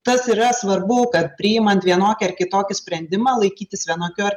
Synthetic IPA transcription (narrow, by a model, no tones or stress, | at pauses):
t̪ɐsiːɾɐsʋɐɾbʊkɐt̪̚pʲɾʲɪjɪmɐnt̪ʋʲiɛnoːkʲɛɐɾkʲɪt̪oːkʲɪsʲpʲɾʲɛnʲd̪ʲɪmɑːlˠɐɪkʲiːt̪ʲɪsʋʲiɛnoːkʲoːɐɾ